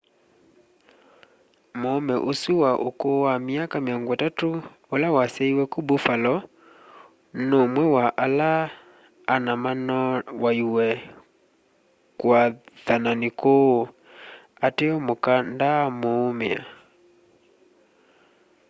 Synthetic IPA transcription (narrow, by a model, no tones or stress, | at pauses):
moːmɛʔosuwaʔokowamiakameɔŋɡwɛtato | olawasɛiwɛkubofalɔ | nomwɛwaʔalaː | namanɔwaiwɛ | kwaðananiko | ateɔmokandamoːmea̰